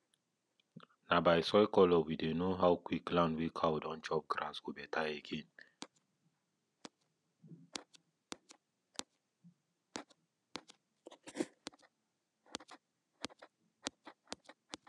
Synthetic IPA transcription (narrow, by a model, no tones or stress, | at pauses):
nabajsɔjkɔlɔwidenoɦawkʷiklanwikʰawdɔnt͡ʃɔp̚kɾasubɛtajekʰin